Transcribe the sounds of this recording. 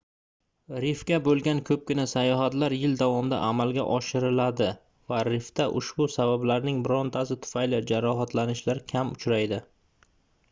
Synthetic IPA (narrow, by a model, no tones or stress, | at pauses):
ɾɪfkʲabolˠɡʲankʰɵp̚kʲɪnasajɒɦat̪laɾjɪld̪avɒmd̪a̰ʔamalˠɡʲa̰ʔɒʃɪɾɪlad̪ɪ | vaɾɪft̪aʔʊʃbʊsabablaɾnɪŋbɾont̪ʰasɪt̪ʰʊ̥fajlɪd͡ʒaɾɒɦat̪ʰlanɪʃlaɾkʲʰamʊt͡ʃʰɾajd̪ɪ